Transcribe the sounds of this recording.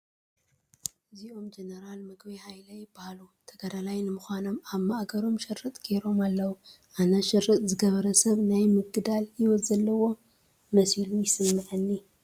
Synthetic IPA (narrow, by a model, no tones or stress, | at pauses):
ɨziʔo̞md͡ʒenɐɾalmɨɡbihajlɐjɪbːahalut̪ʰɐɡad̪alajnɨmɨxʷano̞maβmaʔɡɐɾo̞mʃɪrːɨt̪ʼɡ̥eɾo̞malːɐwu | ʔanɐʃɨrːɨt̪ʼzɨɡɐβɐɾɐsɐβnajmɨɡɨd̪aljɪwɔt̪zɐlːɐwo̞ | mɐsilujɪsɐmːɨʕɨnːi